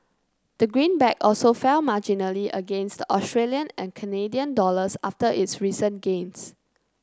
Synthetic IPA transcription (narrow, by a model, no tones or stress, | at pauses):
d̥əɡɹĩnbɛkɔlsofɛlmad͡ʒinəliʔə̰ɡẽnstdəɔstɹeliə̃nɛ̃nkʰənediə̃ndɔləsaftəʔɪtsɹisə̃nɡẽns